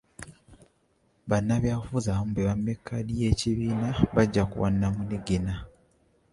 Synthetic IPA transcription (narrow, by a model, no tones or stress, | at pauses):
βanːaβjaːfuzamubeβamːekʰːadje̞ːciβiːnaβaɟːakṵwa̰nːamuniɡina